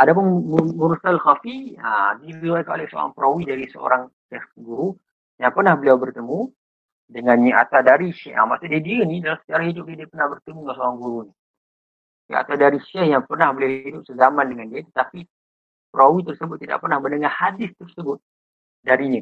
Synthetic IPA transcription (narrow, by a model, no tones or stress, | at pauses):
adap̬ʊnmmuɾusalxafiədiliwakano̰lɛhsəo̰ɾa̰ŋpɾowidaɾisəo̰ɾaŋ | ʃɛhɡuɾu | jaŋpərnahbəliawbərt̪əmũ | dəŋanɲəa̰t̪awdaɾiʃɛa̰masuʔdiədiənidalasə̥t͡ʃaɾaɦidʊp̚diədiəpərnahbərt̪əmuŋasəoɾaŋɡuɾuni | a̰t̪awdaɾiʃɛhjaŋpərnahbəliawɦidʊp̚səzamandəŋandiət̪ə̥t̪api | pɾawit̪ərsəbʊt̪̚ːida̰ʔpərnahbənəŋahadɪst̪ərsəbʊt̪̚ | daɾiɲə